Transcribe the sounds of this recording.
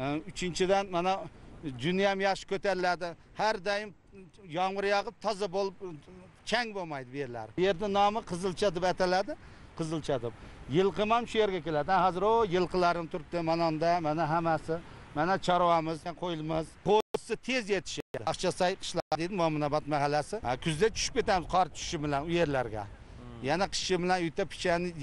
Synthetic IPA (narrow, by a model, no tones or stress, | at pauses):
ʊt͡ʃʰɪnt͡ʃʰɪd̪anmanad͡ʒʊnijamjɑχʃɪ̥kʲʰɵt̪aɾɪlad̪ɪ | hæɾd̪ɑjɪm | jɑŋvɨɾjɑʁəp̚t̪ʰɒzɑbolˠɪp̚ | t͡ʃʰaŋbomajd̪ɪbeɾɪlæ̰ɾjeɾd̪ɪnɒmɨqʰəzɨlˠt͡ʃʰad̪ɪpat̪ʰalad̪ɪ | qʰɨzɨlˠt͡ʃʰad̪ɪp̚jɨlˠqɨmamʃʊjeɾɡʲakʲe̞lad̪ɪahɑzɪɾojɨlˠqɨlˠaɾɪmt̪ʰʊɾɪp̚t̪ɪmanand̪amanaɦamasɪ | manat͡ʃʰɑɾwamɪzaqʰojɪlˠmɪzqʰosɪt̪ʰe̞zjet̪ʰɪ̥ʃaχt͡ʃʰasajqʰɨ̥ʃlˠɑɾʁad̪ed̪ɪmamʊnabat̪maɦalːasɪkʲʰʊzd̪at͡ʃʰʊ̥ʃɪ̥p̚kʲʰe̞t̪amɪzqʰɒɾt͡ʃʰʊ̥ʃɪbɪlanʊje̞ɾlaɾɡʲa̰ | janaqʰɨ̥ʃɪbɪlanʊjt̪ʰapʰɪ̥t͡ʃʰanɪ